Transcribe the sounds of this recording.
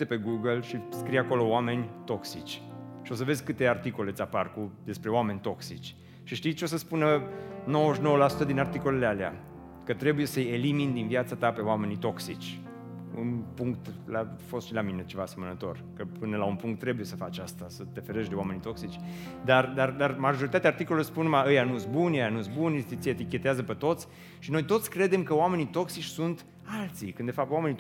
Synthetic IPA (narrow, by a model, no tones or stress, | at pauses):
t̪epe̞ɡuɡəlʃiskɾijako̞lo̞oame̞nʲt̪o̞ksit͡ʃʲ | ʃio̞s̬əve̞zʲkɨt̪e̞art̪iko̞le̞sʲaparkud̪e̞spɾe̞oame̞nʲt̪o̞ksit͡ʃʲ | ʃiʃt̪it̪t͡ʃo̞s̬əspunəno̞wəʃno̞wəlasut̪əd̪inart̪iko̞le̞lealea̰ | kət̪ɾe̞buje̞səjelimind̪invjat̪sat̪ape̞oame̞nit̪o̞ksit͡ʃʲ | ṵnpuŋkt̪lafo̞st̪ʃilamine̞t͡ʃe̞vaːse̞mənət̪o̞̰rkəpɨnəlaunpuŋk̚t̪ːɾe̞buje̞səfat͡ʃast̪asət̪e̞fe̞ɾeʃd̪e̞wame̞nit̪o̞ksit͡ʃʲ | d̪ard̪ard̪armaʒo̞ɾit̪at̪eart̪ikolelospunmaəjanusbunjəjanusbunet̪it̪siet̪ikʲe̞t̪eazəpe̞t̪o̞t̪sʲ | ʃino̞jt̪o̞t̪sʲkɾe̞d̪e̞mkəoame̞nit̪o̞ksit͡ʃʲsunt̪ | alt̪sikɨnd̪e̞fap̚t̪wame̞ni